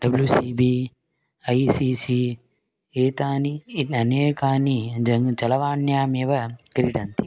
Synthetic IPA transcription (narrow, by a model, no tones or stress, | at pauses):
ɖɐbljusiːbiː | ɐjsiːsi | eːt̪aːniɐneːkaːnid͡ʒɐŋt͡ʃɐlɐʋaːɳjaːmeːʋɐkɾiɖɐnt̪i̥